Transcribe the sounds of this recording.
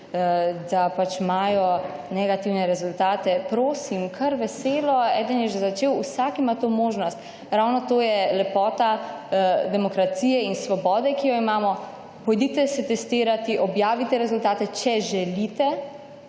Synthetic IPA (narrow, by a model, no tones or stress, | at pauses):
d̪apat͡ʃmaːjɔ | nɛɡat̪iwnɛɾɛzʊlt̪aːt̪ɛpɾoːsimkʰɐɾʋɛseːlɔɛːd̪ənjɛʒɛzat͡ʃeːwusakimat̪omoːʒnɔst̪ | ɾawnɔt̪oːjɛlɛpɔːt̪a | d̪ɛmɔkɾat̪siːjɛinsʋɔbɔːd̪ɛkijɔimaːmɔ | pɔjd̪it̪ɛsɛt̪ɛst̪iːɾat̪iʔɔbjaːʋit̪ɛɾɛzult̪aːt̪ɛt͡ʃɛʒɛlit̪ɛ